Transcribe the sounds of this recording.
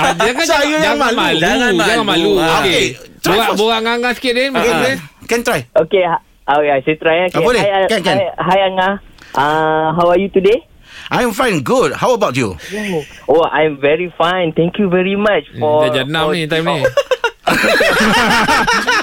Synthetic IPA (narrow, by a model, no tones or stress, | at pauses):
akasajujamalaad͡ʒaŋamaluokeet̪ɹaboɣaŋaŋãskɪdɛnkeekɛ̃nt̪ɹajokea | oajset̪ɾajokʔaɔlejakɛ̃nkɛ̃nɦajanaʔaɦawajut̪ude | ʔãj̃ɱfãj̃nɡud̚hawəbawtjṵ | oã̰jmvɛɹifãjnt̪ɛ̃ŋkjuvɛɹimat͡ʃɔad͡ʒanãit̪ãjmni